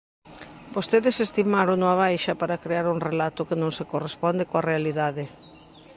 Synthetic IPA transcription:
bost̪eðɪsest̪imaɾonoaβ̞ajʃɐpaɾakɾeaɾuŋrelat̪ʊkɪnõŋsekorespɔnd̪ekoarealiðaðɪ

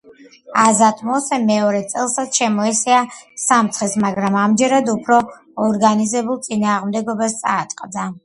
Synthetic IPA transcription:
azat̪ʼmɔsɛmɛɔɾɛt̪sʼɛlˠsat̪sʃɛmɔɛsɛasamt̪sʰχɛsmaɡɾamamd͡ʒɛɾad̪upʰɾɔː | ɾɡanizɛbulˠt̪sʼinaːʁmd̪ɛɡɔbast̪sʼaːt̪ʼqʼd̪a

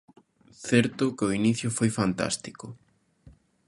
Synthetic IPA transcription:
θɛɾt̪ʊkeʊiniθjʊfojfant̪a̰st̪i̥kʊ

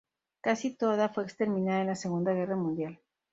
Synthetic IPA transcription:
kasit̪o̞ðafwe̞ekst̪e̞ɾmĩnaðaenlaseɣ̞und̪aɣ̞e̞ramũnd̪jal

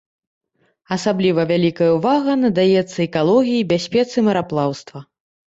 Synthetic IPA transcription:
ɐsablʲivɐvʲalʲikɐjɐwvaɣɐnɐd̪ajɛt̪sːɐɛkalˠɔɣʲijibʲasʲpʲɛt̪sɨmɐɾaplˠawst̪vɐ

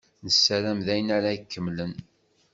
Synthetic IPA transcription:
nəsːæɾæmðæjənaɾaikːəmːlən

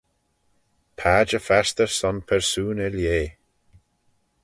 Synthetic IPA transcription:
pʰaːd͡ʒəfast̪əɹsɔnpʰɛɹsuːnɪljeː

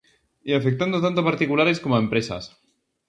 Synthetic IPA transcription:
iafek̚t̪and̪ot̪ant̪̬opaɾt̪ikulaɾeskomoempɾesa̰s

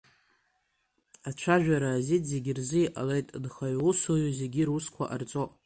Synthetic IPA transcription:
at͡ʃʷʰaʒᶣaɾaːzitzeɡʲɪrzɨiʔʼa̰lejtʼdχaɥusojuze̞ɡʲiruskʷʰa̰ʔa̰rt͡sʼo

